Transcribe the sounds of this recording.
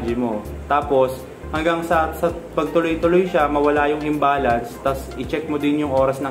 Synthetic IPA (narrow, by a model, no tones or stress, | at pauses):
d͡ʒɪmo | t̪aːpos | hɐŋɡaŋsɐsɐpɐɡ̚t̪ʊlojt̪ʊlojʃamɐwɐlajʊŋhɪmbaːlɐnst̪ɐsʔɪt͡ʃɛk̚mod̪ɪnjʊŋʔo̞ːɾɐsnɐ